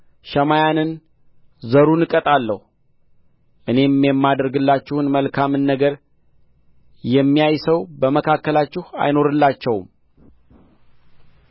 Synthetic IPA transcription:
ʃəmajanɨn | zəɾunɨkʼət̪ʼalːə̰h | ʔɨne̞mjɛmːad̪ɾɡɨlːat͡ʃːɪhɨnməlkʰamɨnːəɡəɾ | jɛmːijajsəwbəməkʰakːəlat͡ʃːɪha̰jno̞ɾɨlːat͡ʃːɛwm

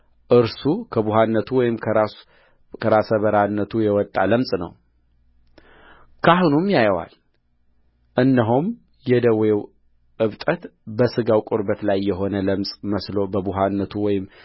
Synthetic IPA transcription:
ʔɨɾsukʰəbuɦanːət̪ʰuwɔjɪmʰ | kʰəɾasəβəɾanːət̪ʰujɛwɔt̪ʼːa̰ləmsʼnə̰w | kʰaɦunumjajəwa̰l | ʔɨnːəɦum | jɛd̪əwew | ʔɨβt̪ʼət̪bəsɨɡawkʼuɾbət̪lajːɛɦo̞nələmsʼməslo̞bəbuɦanːət̪ʰuwɔjɪm

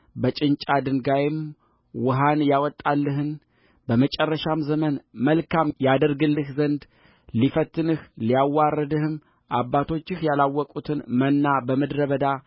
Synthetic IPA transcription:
bət͡ʃʼɪnt͡ʃʼad̪ɨŋɡajɪm | wʊɦanjawɔt̪ʼːalːɨɦɨn | bəmət͡ʃʼɛrːəʃamzəmənməlkamjad̪əɾɡɨlːɨhzənd̪ | lifət̪ʰːɨnɨhlijawːarːəd̪ɨhɨm | ʔabːat̪ʰo̞t͡ʃːɪhjalawːɔkʼut̪ʰɨnmənːabəməd̪ɾəβəd̪a

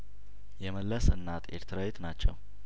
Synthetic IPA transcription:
jɛməlːəsɨnːat̪ʰeɾt̪ʰɾajet̪nat͡ʃːɛ̰w

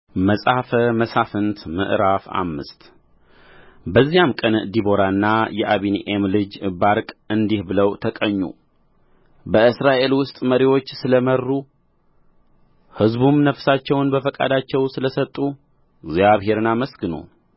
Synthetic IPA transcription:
məsʼafəməsafɨnt̪mɨ̰ʔɾafa̰mːɨ̰st̪ | bəzːijamkʼənd̪ibo̞ɾaɨnːajɛʔaβinʔemlɨd͡ʒbaɾkʼɨnd̪ihbɨləwt̪ʰəkʼəɲːṵ | bəɨsɾaʔe̞lwʊst̪ʼməɾiwo̞t͡ʃːsɨləmərːu | hɨzbumnəfsat͡ʃːɛwnbəfəkʼa̰d̪at͡ʃːɛwsɨləsət̪ʼːu | ziaβɦe̞ɾɨnːaməsɡɨno̰

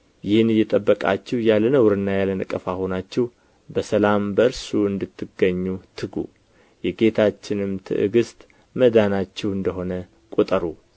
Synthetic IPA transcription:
jɪhɨnɨjːɛt̪ʼəbːəkʼa̰t͡ʃːɛwjalənəwɾɨnːajalənɨkʼːəfaho̞nat͡ʃːɛw | bəsəlambəɾsuɨnd̪ɨt̪ʰːɨɡəɲːut̪ʰɨɡṵ | jɛɡe̞t̪ʰat͡ʃːɪnɨmt̪ʰɨ̰ʔɨ̰ɡɨst̪ʼ | məd̪anat͡ʃːɛwɨnd̪əɦo̞nə | kʼut̪ʼəɾu

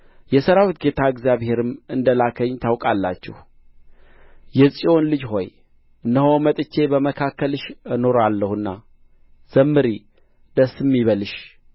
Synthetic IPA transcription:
jɛsəɾawit̪ɡe̞t̪ʰaɨɡzjaβhe̞ɾɨmɨnd̪əlakʰəɲːt̪ʰawkʼalːa̰t͡ʃːɛ̰h | jɛsʼio̞nlɨd͡ʒɦo̞j | ʔɨnːəɦo̞mət̪ʼɨt͡ʃːe̞bəməkʰakːəlɨʃɨno̞ɾalːəhɨnːa | z̥əmːɨɾi | d̪̥əsːɨmːiβəlɨʃ

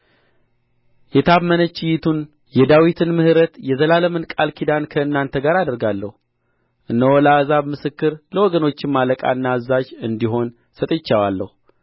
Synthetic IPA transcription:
jɛt̪ʰaβmənət͡ʃːɪjɪt̪ʰun | jɛd̪awit̪ʰɨnmɨhɨɾət̪jɛzəlaləmɨnkʼalkʰid̪ankʰəɨnːant̪ʰəɡaɾad̪əɾɡalːəhu | ʔɨnːəwɔlazaβmɨsɨkːɨɾləwɔɡəno̞t͡ʃːɪmːaləkʼa̰ɨnːazːad͡ʒɨnd̪iɦo̞n | sət̪ʼet͡ʃːawalːə̰hu

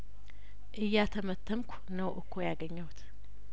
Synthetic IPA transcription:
ʔɨjːat̪ʰəmət̪ʰːəmkʷʰ | nəwʔɨkʰːojaɡəɲːəwt̪

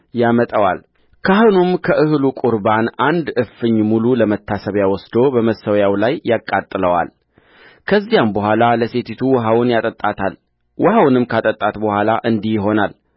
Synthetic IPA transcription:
jamət̪ʼəwa̰l | kʰaɦonumkʰəʔɨhlukʼuɾbanand̪ɨfɨɲːmululəmət̪ʰːasəβjawɔsd̪o̞bəməsəwjawlajːakʼːat̪ʼːɨləwa̰l | kʰəzːijambəhʷalaləse̞t̪ʰit̪ʰuwɔɦawnjat̪ʼət̪ʼːat̪ʰal | wʔɔhawnɨmkʰat̪ʼət̪ʼːat̪bəhʷalaʔɨnd̪ihjɪɦo̞nal

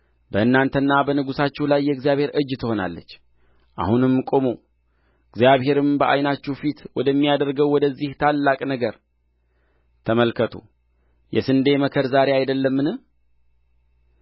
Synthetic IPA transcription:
bəɨnːant̪ʰənːabənɨɡusat͡ʃːɛwlajːɛɡzijaβhe̞ɾʔɨd͡ʒːt̪ʰɨho̞na̰lːə̰t͡ʃː | ʔa̰hunɨmkʼo̞mo | ɨɡzjaβhe̞ɾɨmbəʔa̰jnat͡ʃːɛwfit̪wɔd̪əmːijad̪əɾɡəwwɔd̪əzːiht̪ʰalːakʼnəɡəɾ | t̪ʰəməlkʰət̪ʰo̰ | jɛ̰sɨnd̪e̞məkʰəɾzaɾeajd̪əlːəmːɨnɨh

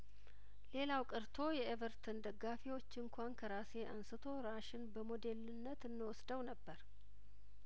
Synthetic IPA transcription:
le̞lawkʼɨɾt̪ʰo̞jɛevəɾt̪ʰɨnd̪əɡːafiwo̞t͡ʃːɨŋkʰʷankʰəɾase̞ʔa̰nsɨt̪ʰo̞ɾaʃɪnbəmod̪e̞lɨnːət̪ɨnːɨwɔsd̪əwnəbːəɾ

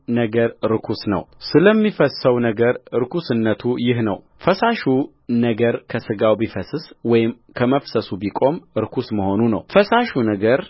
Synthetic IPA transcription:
nəɡəɾɾɨkʰusnə̰wsɨləmːifəsːəwnəɡəɾɾɨkʰusɨnːət̪ʰujɪɦnə̰w | fəsaʃu | nəɡəɾkʰəsɨɡawbifəsɨswɔjɪm | kʰəməfsəsubikʼo̞mɾɨkʰusməho̞nunə̰wfəsaʃunəɡəɾ

